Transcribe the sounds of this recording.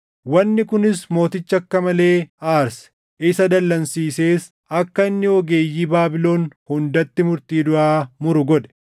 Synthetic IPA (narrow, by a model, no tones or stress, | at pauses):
wɐnːɪkʊnɪsmo̞ːt̪ɪt͡ʃːɐkːɐmɐle̞ːaːɾsɛ̥ | ʔɪsɐd̪ɐlːɐnsiːse̞ːs | ɐkːɐɪnːɪɔɡe̞ːjːiːbaːbɪlo̞ːnhʊnd̪ɐt̪ːɪmʊɾt̪iːd̪ʊʔaːmʊɾʊɡɔᶑɛ̥